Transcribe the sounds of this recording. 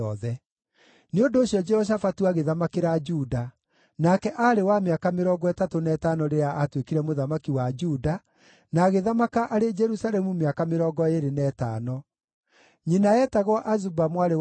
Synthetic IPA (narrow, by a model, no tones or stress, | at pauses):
ɔðɛ | neondoːɕjɔd͡ʒɛhɔɕ̬afatuaɣeðamakeɾad͡ʒuːda | nakɛʔaɾewameakameɾɔːɡɔɛtatonɛtanɔɾeɾeaʔatwekiɾɛmoðamakiwad͡ʒuːda | naːɣeðamakaʔaɾed͡ʒɛɾusaɾɛmumeakameɾɔːɡɔeɾenɛːtaːnɔ | ɲinaɛtaɣwaʔazubamwaɾe